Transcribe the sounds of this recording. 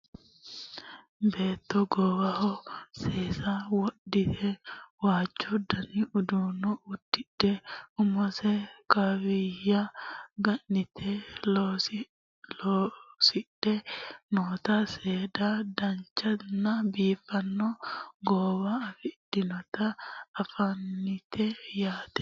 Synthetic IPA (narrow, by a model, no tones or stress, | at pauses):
beːt̪ːɔɡɔːwɐhɔseːsɐwɔɗːɪt̪ʰɛwaːt͡ʃːɔd̪ɐnɪʔʊd̪uːnɔʊd̪̥ːɪdɛʊmɔsɛkɐwɪjɐɡɐʔːɪt̪ʰɛlos | losɪɗɛnoːt̪ɐseːd̪ad̪ɐnt͡ʃːɐnːɐbiːfɐnːɔɡɔːwafɪd̥ːɪnɔt̪ɐːfɐnːɪt̪ʰɛjaːt̪ɛ̥